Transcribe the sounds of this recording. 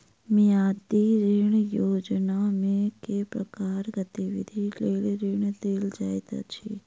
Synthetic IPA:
mẽad̪iɾiɳ̃jod͡ʒnamẽkepɾəkaɾɡət̪iʋḭd̪ʱiləlɾiɳ̃d̪eld͡ʒajt̪a̰t͡ʃʰe

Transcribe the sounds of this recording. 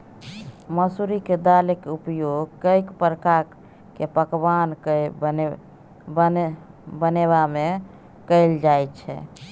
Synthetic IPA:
məsuɾiked̪alekeupjoɡkəjkpɾəkaɾ | kepəkbank | bəneβame | kəld͡ʒajt̪t͡ʃʰɛ̰

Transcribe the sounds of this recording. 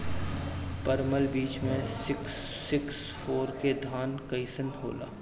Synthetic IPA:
pəɾməlbiːt͡ʃmẽsɪksː | ɪks | foːɾked̪ʱaːnkɐɪsənɦo̰ːla̰ː

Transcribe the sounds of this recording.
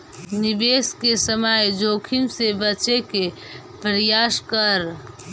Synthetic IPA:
nɪbeːskesəmajd͡ʒoːkʰimsebət͡ʃeke | pɾjaːskəɾ

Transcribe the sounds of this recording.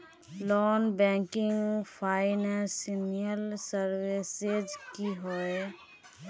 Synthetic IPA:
lɔːnbɛ̃ŋkɪŋpʰaɪnɛ̃sinijəlsəɾwesed͡ʒkiɦoe

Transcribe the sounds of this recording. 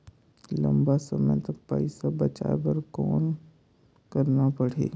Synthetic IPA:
lɐ̰̃mbasɐmət̪ɐk̚pɐ̰ɪsabɐt͡ʃa̰ebɐɾkɔːn | kɐɾnapɐɽ̤ḛː

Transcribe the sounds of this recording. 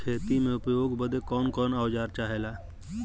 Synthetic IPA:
kʰeːt̪imẽʊpjoːɡbəd̪ekɔːnkɔːnaːʋd͡ʒaːɾt͡ʃaːɦelaː

